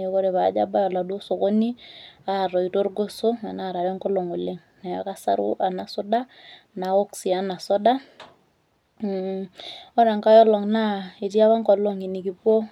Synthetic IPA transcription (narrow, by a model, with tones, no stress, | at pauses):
o˦kɔ˦ɾe˨βa˨d͡ʒa̰˦ba˦jɔ˨la˨do˦so˨ko˦ni˦a˨ɾɔ˨i˨to˦ɾɡo˦so˦a̰˨na˦˨ɾa˨ɾɔ˦ŋkɔ˦lɔ˨ŋo˨le˦ŋ | na˨a̰˨ka˦sa̰˦ɾʊ̰˦ʔa˨na˨sʊ˦da˦ | na˨ɔ˦ksi˨a˨na˨sɔ˦da˦˨ | ɔ˦ɾa˨ŋka˦jɔ˦lɔ˨ŋna˦i˨tja˦βa˦ŋkɔ˨lɔ˦ŋi˨ni˨ki˨po˦